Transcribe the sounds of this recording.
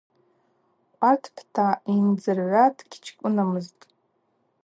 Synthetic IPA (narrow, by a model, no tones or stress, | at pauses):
qʷʼartʰpʰtʰaind͡zɨrʕʷadʰɡʲt͡ʃʰkʷʼʊnamɨztʼ